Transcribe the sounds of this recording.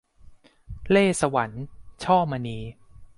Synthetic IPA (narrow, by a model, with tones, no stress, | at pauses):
leː˥˩sa˧wa˩˦nt͡ɕʰɔː˥˩ma˧niː˧